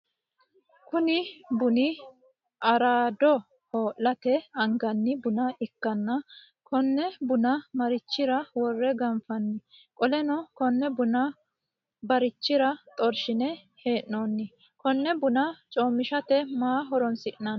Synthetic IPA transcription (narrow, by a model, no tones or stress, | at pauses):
kʊnɪbʊnɪ | ʔɐɾaːd̪ɔ | hoːʔlɐt̪ɛɐŋɡɐnːɪbʊnɐɪkːɐnːɐ | kʰɔnːɛbʊnɐmɐɾɪt͡ʃːɪɾɐwɔrːɛɡɐnfɐnːɪkʼɔlɛnɔkɔnːɛbʊnɐ | bɐɾɪt͡ʃːɪɾɐt̪ʼɔɾʃɪnɛ | he̞ːʔnonːɪ | kɔnːɛbʊnɐt͡ʃʼoːmːɪʃɐt̪ɛmaːɦɔɾɔnsɪʔnɐn